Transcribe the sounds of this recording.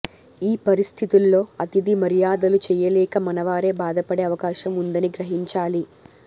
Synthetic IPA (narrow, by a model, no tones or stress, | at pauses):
iːpɐɾist̪ʰit̪ulːo̞ːɐt̪id̪imɐɾijaːd̪ɐlut͡ʃɛːjɐlɛːkɐmɐnɐʋaːɾe̞ːbaːd̪ɐpɐɽe̞ːɐʋɐkaːʃɐmund̪ɐniɡɾɐɦiɲt͡ʃaːli